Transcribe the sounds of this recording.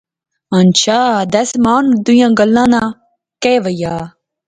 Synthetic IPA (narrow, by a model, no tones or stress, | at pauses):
ant͡ɕad̪ɐsmaːnud̪ujãɡɐlːãna | keʋɐja